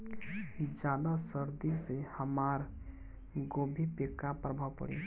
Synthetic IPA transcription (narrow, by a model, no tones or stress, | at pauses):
id͡ʒad̪asəɾd̪isehəmaɾ | ɡobʱipekːapɾəbʱawpə̰ɽḭ